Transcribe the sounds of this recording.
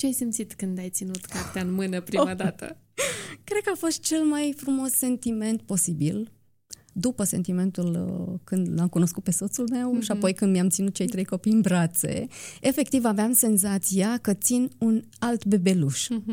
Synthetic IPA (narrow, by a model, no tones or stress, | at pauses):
t͡ʃeajsimt̪sit̪kɨnd̪ajt̪sinut̪kart̪eaɨnmɨnəpɾimad̪at̪ə̰ | kɾe̞d̪̥̚kəafo̞st̪̚t͡ʃe̞lmajfɾumo̞sːe̞nt̪ime̞nt̪po̞sibil | d̪upəse̞nt̪ime̞nt̪ulkɨnd̪lamkuno̞skut̪̚pe̞so̞t̪sulme̞wʃiapo̞jkɨnd̪mijamt̪sinut̪̚t͡ʃe̞jt̪ɾe̞jko̞pijɨnbɾat̪se̞̰efe̞k̚t̪ivaveamse̞nzat̪sijakət̪sinun | alt̪be̞be̞luʃ